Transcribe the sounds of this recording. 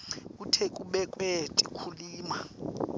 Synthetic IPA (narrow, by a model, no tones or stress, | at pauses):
kutʰekʼuɓɛkʼwetʼikʰuliːma